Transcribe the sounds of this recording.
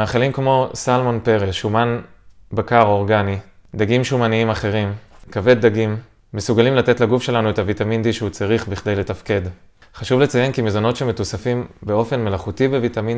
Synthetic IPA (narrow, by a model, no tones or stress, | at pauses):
aχelimkmo̞salmonpe̞ʁeʃumanbakaʁo̞ʁɡanid̪aɡimʃumaniimaχe̞ʁimkave̞d̚ːaɡimː | esuɡalimlatetlaɡufʃe̞lanuetavitamind̪iʃeut͡saʁiχbiχd̪e̞jle̞tafke̞d | χaʃuvlet͡saje̞nkimezono̞tʃeme̞tusafimbe̞o̞fe̞nme̞laχutibevitamin